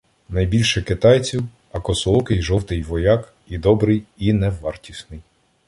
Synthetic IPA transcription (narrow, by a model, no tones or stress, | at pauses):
nɐjbʲilʲʃɛkɪt̪ɑjt͡sʲiw | ɐkɔsɔlˠɔkɪjʒɔwt̪ɪjʋɔjɑk | id̪ɔbɾɪjinɛʋɑrtʲisnɪj